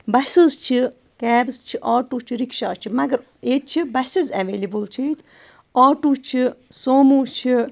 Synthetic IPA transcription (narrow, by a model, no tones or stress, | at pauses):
bɐsɨzt͡ʃʰi | kɛːbzt͡ʃʰiʔaːʈuːt͡ʃʰiɾikʃaːt͡ʃʰimɐɡɐɾ | eːt̪̚t͡ʃʰibɐsizɐʋeːlibɨlt͡ʃʰit̪ʰ | aːʈuːt͡ʃʰisoːmuːt͡ʃʰi